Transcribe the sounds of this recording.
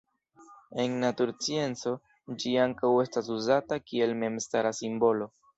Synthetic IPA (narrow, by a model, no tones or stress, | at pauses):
e̞nːatuɾt͡sie̞nt͡so̞ | d͡ʒiaŋkawe̞stas̬uzatakie̞lme̞mstaɾasimbo̞lo̞